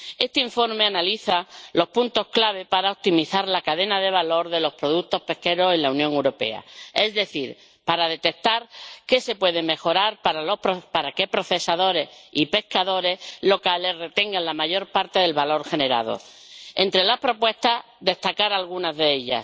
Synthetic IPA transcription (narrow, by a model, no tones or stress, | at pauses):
e̞st̪eiɱfo̞ɾme̞analiθalo̞hpunt̪o̞hklaβ̞e̞paɾaop̚t̪imiθaɾlakaðe̞naðe̞β̞alo̞ɾðe̞lo̞hpɾo̞ðut̪o̞hpe̞hke̞ɾo̞se̞nlaunjõŋe̞wɾo̞pe̞̰a̰e̞zðe̞θiɾ | paɾaðe̞t̪e̞k̚t̪aɾke̞se̞pwe̞ð̞e̞me̞xo̞ɾaɾpaalopopaɾake̞pɾo̞θe̞saðo̞ɾe̞sipe̞hkaðo̞ɾe̞lo̞kale̞sre̞t̪e̞ŋɡanlamaʝo̞ɾpaɾt̪e̞ðe̞lβalo̞ɾxe̞ne̞ɾa̰ð̞o̰ | e̞nt̪ɾe̞lahpɾo̞pwe̞st̪a | d̪e̞st̪akaɾalɣ̞unazðe̞eʎa̰